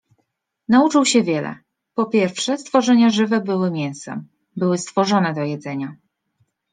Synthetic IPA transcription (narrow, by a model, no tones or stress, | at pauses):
naut͡ʂɘwɕɛvʲjɛlɛ̰ | pɔpʲjɛɾfʂɛst̪fɔʐɛɲaʐɘvɛbɘwɘmʲjɛñsɛ̰m | bɘwɘst̪fɔʐɔnɛd̪ɔjɛd̪zɛɲa